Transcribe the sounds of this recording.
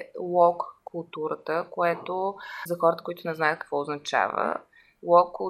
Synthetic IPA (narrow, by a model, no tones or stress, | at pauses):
lɔkːʊlˠt̪uɾət̪əkoɛt̪ozɐxɔɾət̪ə̥koit̪ʊnɛznajət̪̚kə̥kvɔoznɐt͡ʃa̰və̰ | lɔkːʊ